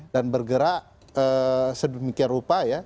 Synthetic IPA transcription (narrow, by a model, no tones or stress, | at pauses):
danbərɡəɾa | əːsədumikiarupaja